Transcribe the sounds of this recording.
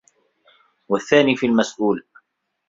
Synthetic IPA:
waθːaːniːfiːlmasʔuːl

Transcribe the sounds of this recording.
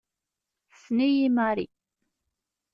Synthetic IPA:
θnijimaɾḭ

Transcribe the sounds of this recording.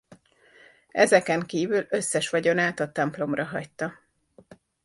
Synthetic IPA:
ɛzɛkɛŋkiːvylø̞sːɛʃʋɒɟo̞naːt̪ɒt̪ɛmplo̞mrɒɦɒ̰ct̪ːɒ

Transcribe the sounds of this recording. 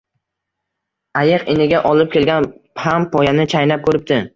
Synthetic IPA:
ajɪqɪnɪɡʲaʔɒlˠɪp̚kʲʰe̞lɡʲanpʰampʰɒjanɪt͡ʃʰajnap̚kʰɵɾɪp̚t̪ɪ

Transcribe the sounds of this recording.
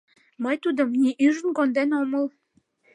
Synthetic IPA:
məjt̪ud̪əmnʲiʔyʒə̆nɡond̪enoməl

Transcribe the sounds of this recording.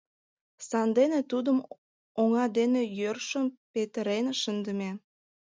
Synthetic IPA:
sɑnd̪enet̪ud̪əm | oŋɑd̪enejørʃənpet̪əɾenʃənd̪ə̆me

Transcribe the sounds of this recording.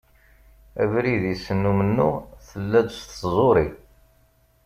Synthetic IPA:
æ̰vɾiðisənːumənːuθəlːæd̪st̪zˤoɾi

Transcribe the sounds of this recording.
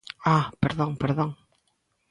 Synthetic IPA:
apeɾðoŋpeɾðoŋ

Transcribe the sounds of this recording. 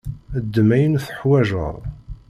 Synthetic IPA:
əd̪ːəmæjənθə̥ħwæʒə̰ɾˤ

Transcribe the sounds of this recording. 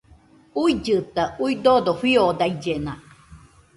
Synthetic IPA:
uid͡ʒɨt̪auid̪od̪oɸiod̪ajd͡ʒena

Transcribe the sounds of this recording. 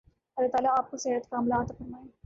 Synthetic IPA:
ɐlat̪aːlaaːp̚koseɾət̪kaːmlaːt̪apɐmaːe

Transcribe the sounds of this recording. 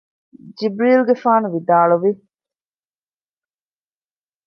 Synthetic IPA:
d͡ʒibɾiːlɡefaːnuʋid̪aːɭuʋi

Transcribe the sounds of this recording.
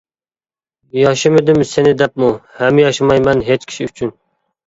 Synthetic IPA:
jɑʃɨmɪd̪ɪmsenɪd̪ɛp̚muhɛmːɪjɑʃɨmɑjmɛnɦet͡ʃkʲʰi̥ʃiyt͡ʃʰyn

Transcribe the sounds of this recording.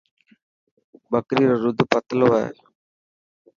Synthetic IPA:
bəkɾiːɾoɾʊd̪ʱpət̪lʋaḛ

